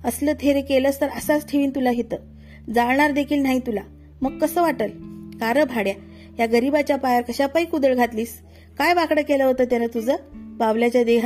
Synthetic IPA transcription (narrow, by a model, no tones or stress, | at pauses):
əsləːt̪ʰeɾekeləːst̪əɾəsat͡sʈʰeʋiːnt̪ulaɦet̪əː | d͡zaɭɳ̃aɾd̪ekʰiːlnaɦit̪ula | məɡ̚kəsəːʋaʈəlkaɾəbʱaɽja | jaɡəɾibat͡ɕjapajəɾkəɕapəikud̪əɭɡʱat̪liːs | kajʋakɽəkeləɦot̪əːt̪janat̪ud͡zəːbaʋljat͡ɕjad̪eɦa